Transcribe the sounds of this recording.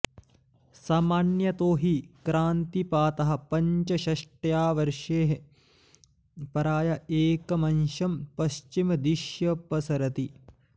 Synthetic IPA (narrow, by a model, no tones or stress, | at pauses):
saːmaːnjɐt̪oːɦikɾaːnt̪ipaːt̪ɐɦɐ̆pɐɲt͡ʃɐʃɐʂʈjaːʋɐɾʂeːɦe | pɐɾaːjɐeːkɐmɐnʃɐmpɐʃt͡ʃimɐd̪iʃjɐpɐsɐɾɐt̪i